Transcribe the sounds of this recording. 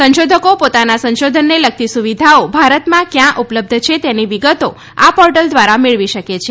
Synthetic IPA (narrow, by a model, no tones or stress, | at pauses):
sə̃nʃod̪ʱəkopot̪anasə̃nʃod̪ʱənːelək̚t̪isuʋid̪ʱaobʱaɾət̪mãkjãʔupləb̚d̪ʱt͡ʃʰet̪eniʋiɡət̪o | apɔɾʈəld̪ʋaɾameɭʋiʃəket͡ʃʰe